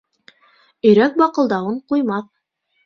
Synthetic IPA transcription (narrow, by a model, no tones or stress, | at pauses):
ɵ̆jɾæk̚bɑqɤ̆lˠd̪ɑwɤɴqujmɑθ